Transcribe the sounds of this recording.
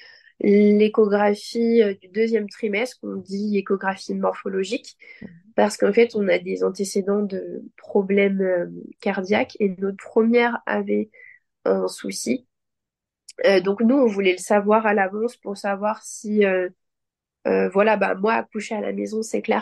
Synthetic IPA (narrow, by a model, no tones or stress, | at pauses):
lekɔɡʁafiød̪yd̪øzjɛmt̪χimɛst̪χɔ̃d̪ilekɔɡʁafimɔʁfɔlɔʒik | paʁsə̥kɑ̃fɛt̪ɔ̃nad̪ezɑ̃t̪esed̪ɑ̃d̪əpχɔblɛmøkaʁd̪jakʰenopχəmjɛʁa̰vɛ | ɛ̃susi | ød̪ɔ̃knuɔ̃vulɛləsavwaʁalavɑ̃spuʁsavwaʁsiø | øvwalaba̰mwa̰ːkuʃeala̰mezɔ̃sɛklɛ̰ʁ